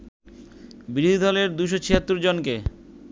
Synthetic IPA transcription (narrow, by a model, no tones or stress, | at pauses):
biɾid̪ʱid̪ʱɔleɾd̪uʃ̬ot͡ɕʰiɦat̪ːuɾd͡ʑonke